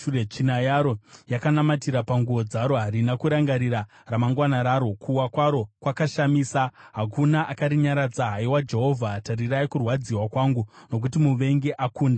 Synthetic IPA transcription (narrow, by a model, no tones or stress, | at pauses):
uret͡ʃinajaɾo̞jakanamatiɾapaŋɡuʋo̞d͡zaɾo̞ɦaɾinakuɾaŋɡaɾira | ramaŋɡwanaɾaːɾo̞kʰuwakwaɾo̞kwakaʃamiːsaɦakunaʔakaɾiɲaɾad͡zaɦaiwad͡ʒe̞ɦo̞vʱataɾiraikurwad͡ziwakwaːŋɡuno̞k̬utimuʋe̞ŋɡe̞ʔakuːnda